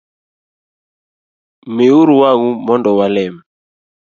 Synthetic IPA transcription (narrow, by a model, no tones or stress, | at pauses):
meuɾuwaɣumɔndɔwalɛmɛ